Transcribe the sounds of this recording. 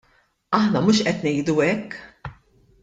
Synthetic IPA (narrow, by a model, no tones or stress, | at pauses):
ɐħnɐmuːʃʔɛt̪nɛjd̪uɛkː